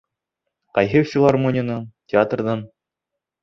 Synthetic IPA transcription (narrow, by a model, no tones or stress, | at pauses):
qɑjɦɘfʲilˠarmonʲənɤɴtʲɪat̪rd̪ɤn